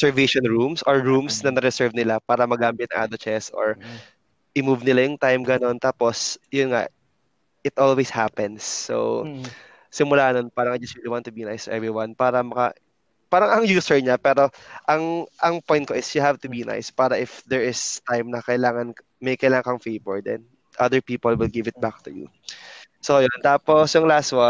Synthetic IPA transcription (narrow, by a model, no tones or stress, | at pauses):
sɛɹveʃɔnɹumsʔɔɹɹumsnɐnɐɾɛsɛɹvnɪlapaːɾɐmɐɡaːmɪt̪̚nɐ̰ŋʔa̰d̪ot͡ʃɛsʔo̰ɹ | ʔɪmuvnɪlajʊŋt̪ajmɡɐno̞nt̪aːposjʊnŋa̰ʔ | ʔɪt̪ʔolweshapɛnsːo̰ | sɪmʊlaːhɐnonpaːɾɐŋad͡ʒɐsiliwant̪ʊbinajsʔɛvɹɪwɐnpaːɾɐmɐkɐ̰ | paːɾɐŋɐŋjuːsɛɹɲapɛːɾo̞ʔɐŋʔɐŋpojn̚koʔɪsjʊɦavt̪ʊbina̰jspaːɾɐʔɪfd̪ɛɹɪst̪ajmnɐkɐɪlaːŋɐn | mɐjkɐjlaːŋɐŋkɐŋfejbɔɹd̪ɛ̰n | ʔɐd̪əɹpiːpɔlwɪlɡɪvɪt̪̚bak̚t̪ʊjṵ | sojont̪aːposjʊŋlast̪wa